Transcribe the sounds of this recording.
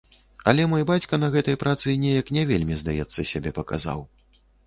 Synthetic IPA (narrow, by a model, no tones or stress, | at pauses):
ɐlʲɛmɔjbat͡sʲkɐnɐɣɛt̪ɐjpɾat̪sɨnʲɛjɐknʲɛvʲelʲmʲizd̪ajɛt̪sːɐsʲabʲɛpɐka̰za̰w